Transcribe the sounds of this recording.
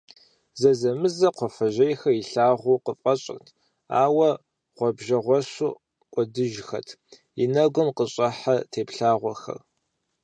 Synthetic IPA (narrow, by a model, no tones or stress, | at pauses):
zɐzɐmɨzɐqʷʰɔfɐʑɐjxɐiɬaːʁʷuqəfʼɐɕʼɪ̰rtʰ | a̰ːwɐ | ʁʷɔbʒɐʁʷɔɕuː | qʷʼɔdɨʒxɐ̰tʰ | inɐɡʷʊmqəɕʼɐħatʰeːpɬaːʁʷɔxɐ̰r